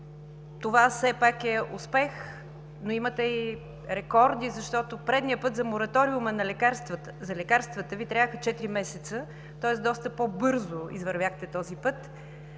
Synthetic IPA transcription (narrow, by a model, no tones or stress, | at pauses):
t̪ovasɛpakɛʊspɛx | noimət̪ɛi | ɾɛkɔɾd̪izɐʃt̪ɔt̪opɾɛd̪nijəpɤt̪zɐmoɾɐt̪ɔɾiumənɐlɛkaɾst̪vzɐlɛkaɾst̪vət̪əvit̪ɾʲavəxət͡ʃɛt̪iɾimɛsɛt̪sə | t̪ɔɛsd̪ɔst̪əpobɤɾzʊḭzvɐɾvʲjaxt̪ɛt̪ɔzipɤt̪